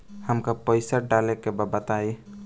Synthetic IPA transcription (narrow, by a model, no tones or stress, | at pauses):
həmkapəjsaɖalekebabət̪ai